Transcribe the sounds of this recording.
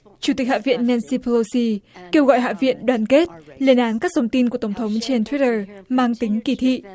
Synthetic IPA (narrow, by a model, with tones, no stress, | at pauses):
t͡ɕu˧˩t̪i˨˩k̚ha̰ː˧˨vḭ˧˨ənːɛ˧nsi˧po˧lo˧si˧ke˧wɣɔ̰˧˨jɦa̰ː˧˨vḭ˧˨ənɗwaː˨˩nke˦˥t̚le˧nʔaː˨˦nkaː˦˥k̚sə˨˦ŋ͡mt̪i˧nk̬u˧˩ət̪ə˧˩wŋ͡mt̪ʰə˨˦wŋ͡mt͡ɕe˧nt̪ʰwi˦˥t̚əː˧maː˧ŋt̪ï˨˦ŋki˧˩t̪ʰḭ˧˨